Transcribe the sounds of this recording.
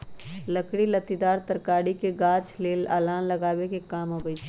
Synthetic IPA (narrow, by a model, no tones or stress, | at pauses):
lɐkɽilɐt̪id̪aːɾt̪ɐɾkaːɽikeɡaːt͡ʃleːla̰ːlaːnlɐɡaːwekekaːmobəj